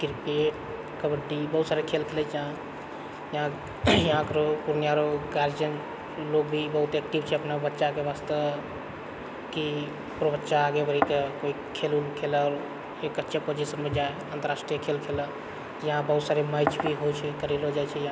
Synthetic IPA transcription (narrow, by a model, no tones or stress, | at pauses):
kiɾpeʈ̚ | kəbəɖibəɦut̪saɾekʰelkʰelɛd͡ʒəɦã | jəɦã | jəɦãkəɾopuɾnijaɾoɡaɾd͡ʒən | loɡbʱibəɦut̪ɛkʈibt͡ʃʰɛəpnabətːʃakebast̪ə | ki | pɾobətːʃaːɡebəɾikekoi | kʰelulkʰelɔːɾ | ekətːʃʰepod͡ʒisənmed͡ʒae | ənt̪əɾasʈɾijəkʰelkʰelə | jəɦãbəɦut̪saɾemajt͡ʃbʱiɦojt͡ʃʰɛkəɾilod͡ʒajt͡ʃʰɛjɦã